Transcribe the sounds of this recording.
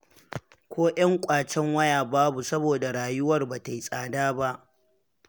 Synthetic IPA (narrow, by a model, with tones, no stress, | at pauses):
kʷʰoː˦ʔɐ˦ŋkʷʼaː˨t͡ʃɛ˦ŋwɐ˦jaː˨baː˦bu˨sɐ˦boː˨da˨ɽaː˨jʊ˦wɐ˦˨rbaː˨ta˨ji˨sʼaː˨daː˦ba˦ʔ